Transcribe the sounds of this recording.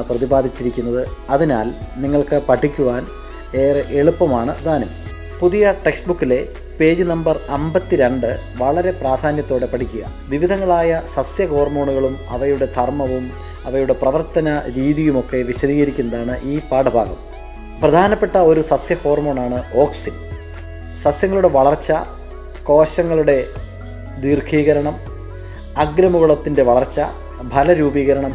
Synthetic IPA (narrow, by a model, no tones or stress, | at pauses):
prɐðibaːd̪ʱit͡ɕːiɾikʲːunːɐðɨɐðina̰ːlniŋːɐɭkɨpɐʈʰːikʲːuʋaːn | eːreʔeɭupːɐmaːɳɨd̪ʱaːnɐm | puðijɐʈeksbukːile̞ | pe̞ːd͡ʑɨnɐmbɐrembɐt̪ːiɾe̞ɳɖɨʋɐɭɐɾe̞praːd̪ʱaːnjɐt̪ːoːɽe̞pɐʈʰikʲːuɣɐ̰ | ʋiʋid̪ʱɐŋːɐɭaːjɐsɐsjɐko̞ːrmo̞ːɳuɣɐɭumɐ̰ʋɐjuɽe̞d̪ʰʱɐrmɐʋum | ɐʋɐjuɽe̞prɐʋɐrt̪ɐnɐɾiːðijumo̞kːe̞ʋiɕɐðiːɣɐɾikʲːunɐðaːɳɨʔiːpaːɽɐbʱa̰ːɡɐ̰m | prɐd̪ʱaːnɐpːe̞ʈːɐo̞ɾusɐsjɐho̞ːrmo̞ːɳaːɳɨo̞ːksin | sɐsjɐŋːɐɭuɽe̞ʋɐɭɐrt͡ɕːɐ | ko̞ːɕɐŋːɐɭuɽe̞ | d̪iːrkʰiːɣɐɾɐɳɐm | ɐɡɾɐmuɣɐɭɐt̪ːinde̞ʋɐɭɐrt͡ɕːɐ | bʱɐlɐɾuːbiːɣɐɾɐɳɐm